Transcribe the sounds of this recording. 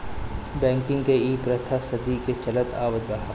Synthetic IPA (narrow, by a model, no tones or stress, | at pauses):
bɛ̃ːŋkɪ̃ŋɡkeiːpɾɐt̪ʰasɐd̪iket͡ʃɐlət̪a̰ːʋəd̪̚bɐɦaː